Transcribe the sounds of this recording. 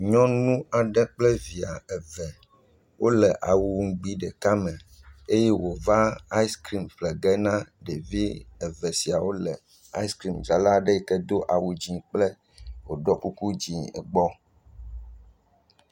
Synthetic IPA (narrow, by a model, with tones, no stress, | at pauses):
ɲɔ̃˦nũ˦a˨ɖɛ˦k͡plɛ˦vi˨a˨ɛ˨vɛ˨ | wʔo˦lɛ˨ʔa˨wu˨wu˨ŋ̩˨˦ɡ͡bi˦ɖɛ˨ka˦mɛ˨e˦jɛ˦wo˨va˦a˦i˦skɾi˦mɸlɛ˨ɡɛ˦nã˦ɖe˨vi˦ɛ˨vɛ˨si˨a˨wo˦lɛ̰˨ | a˦i˦skɾi˦˨md͡ʒa˨la˦ɖə˦˨kɛ˦d̪o˦ʔa˨wu˨d͡ʑi˨k͡plɛ˦ | wo˨ɖɔ˦ku˦ku˦d͡ʑi˨ɛ̰˨ɡ͡bɔ˦